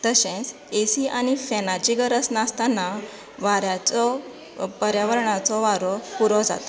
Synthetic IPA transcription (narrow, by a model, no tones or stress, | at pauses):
d̪̥əɕẽs | esiʔañifɛnat͡ɕiɡəɾəsnast̪anːa | ʋaɾjat͡sɔ | pəɾjaʋəɾɳat͡sɔʋaɾɔpuɾɔd͡za̰t̪ɔ̥